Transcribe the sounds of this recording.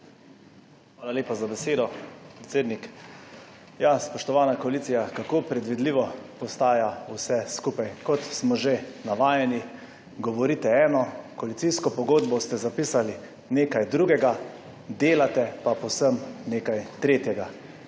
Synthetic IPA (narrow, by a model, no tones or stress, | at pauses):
xʋaːlaleːpazabɛseːd̪ɔpɾɛt̪seːd̪nik | jaspɔʃt̪ɔʋaːnakɔaliːt̪sijakakopɾɛd̪ʋid̪liːʋɔpɔst̪aːjausɛskupajkɔt̪smɔʒenaʋaːjɛni | ɡɔʋɔɾit̪ɛɛːnɔkɔalit̪siskɔpɔɡoːd̪bɔst̪ɛzapiːsali | neːkajd̪ɾuɡɛɡa | d̪eːlat̪ɛpapɔwsəmneːkajt̪ɾeːt̪jɛɡa